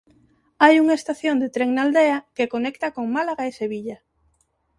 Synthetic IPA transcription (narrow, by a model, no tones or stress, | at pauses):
ajuŋaest̪aθjond̪et̪ɾeŋnald̪eakekonekt̪akoŋmalaɣaeseβiʎa